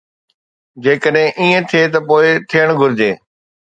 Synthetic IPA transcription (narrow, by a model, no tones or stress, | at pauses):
d͡ʑeːkəɗɦɪ̃ʔiːẽt̪ʰiet̪ɐpoːɪt̪ʰijəɽ̃ɡʱʊɾɪd͡ʑeː